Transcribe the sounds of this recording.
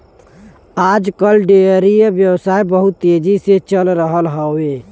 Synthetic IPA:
ad͡ʒkəlɖeəɾijbjəwsaijbəɦut̪ːed͡ʒiset͡ʃəlɾəɦəlɦəwe

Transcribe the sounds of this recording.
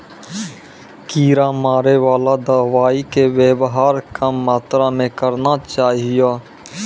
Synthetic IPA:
kiːɾaːmaːɾeʋaːlad̪aːʋaːikeweːbɦaːɾkəmːaːt̪ɾamẽkəɾnaːt͡ʃaːɦɪjaː

